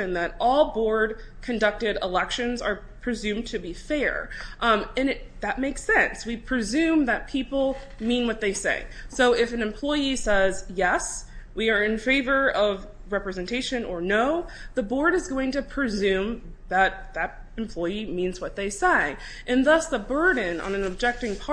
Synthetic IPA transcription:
ɨ̃nðɨɾɔlˠbɔɹd̚ | kʰɨ̃ndʌk̚tɨɾɪlɛkʃɨ̃nzə˞ | pʰɹ̥ɨzʉ̃mtʰɨbifɛɹ | ɨ̃nɨt̪̚ðɨt̚meɪksɛ̃nswipʰɹ̥ɨzʉ̃mðɨt̚pʰipl̩ˠ | mĩnwʌt̪̚ðeɪsḛɪsoʊɪfɨ̃nɨ̃mpʰl̥ɔɪisɛzjɛswiə˞ɨ̃nfeɪvə˞ʔʌv | ɹɛpɹɨzɨ̃ntʰeɪʃɨ̃nə˞noʊ | ðəbɔɹɾɨzɡoʊɪ̃ŋtɨpʰɹ̥ɨzʉ̃m | ðət̪̚ðɨɾ | ɨ̃m̩pʰl̥ɔɪimĩnzwʌt̪̚ðeɪseɪ | ʔɨ̃nðʌsðəbɜ˞dⁿn̩ə̰̃nɨ̃nɨb̚d͡ʒɛk̚tɪ̃ŋpʰɑ

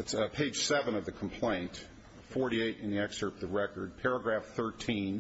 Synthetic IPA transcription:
ɨtspʰeɪd̥ʒ̥sɛvɨ̃nʌvðɨkʰm̩pʰl̥ẽɪ̃nt | fɔɹɾieɪɾɨ̃nðiɛksə˞pðəɹɛkə˞d̚pʰɛɹɨɡɹæfθɜ˞tʰĩn

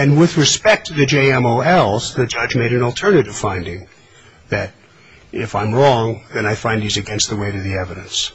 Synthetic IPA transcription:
ɨ̃nwɪðɹɨspɛk̚tʰɨðɨd͡ʒeɪɛ̃moʊɛlˠzðɨd͡ʒʌd͡ʒmeɪɾɨ̃nl̩ˠtʰɜ˞nɨɾɨv̥fãɪ̃ndɪ̃ŋ | ðɨɾ | ɪfãɪ̃mɹɔ̃ŋðɨ̃ñaɪfãɪ̃nðizɨɡɛ̃nst̪̚ðɨweɪɾɨðiɛvɨɾɨ̃ns

